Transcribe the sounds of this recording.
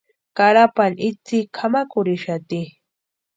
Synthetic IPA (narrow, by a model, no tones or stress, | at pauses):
kaɾapanɪt͡sikʰamakʊɾiʃat̪i